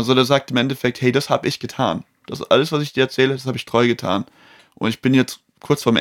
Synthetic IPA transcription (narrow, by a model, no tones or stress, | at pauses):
ʔalzodeːɐzaːk̚tɪmʔɛntɛfɛk̚thɛɪdashaːbəɪçɡ̥ətʰa̰ːn | d̥asʔa̰ləsv̥asɪçd̥iːɐɛɐt͡sɛːlədas̬haːbəɪçtʁ̥ɔʏɡətʰa̰ːn | ʔʊntɪçb̥ɪnjɛt͡st | kʰʊɐt͡sfoːɐm